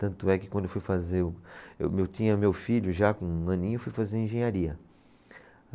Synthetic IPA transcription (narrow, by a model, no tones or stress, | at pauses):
t̪ɐ̃nt̪ʊɛkɪkwɐ̃d̪ʊewfujfazeʊḛwmewt̪ĩɲɐmewfiʎʊʒakõɐ̃nĩɲewfujfazeɾẽʒẽɲaɾiɐ